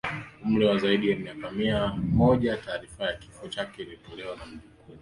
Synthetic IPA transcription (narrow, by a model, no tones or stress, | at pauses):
um̩lɛwazaiɗijamiakamiamɔʄataːɾifajaki̥fɔt͡ʃakɛilitɔlɛwanam̩uku